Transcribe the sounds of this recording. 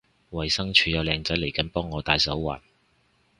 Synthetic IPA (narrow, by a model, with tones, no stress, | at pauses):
wɐ˨˩jsɐ˥ŋt͡ʃʰyː˨˧jɐ˨˧wlɛː˨˧ŋt͡sɐ˨˥jle˨˩jkɐ˨˥npɔː˥ŋːɔː˨˧t̪aː˨˧jsɐ˨˥wːa̰ː˨˩n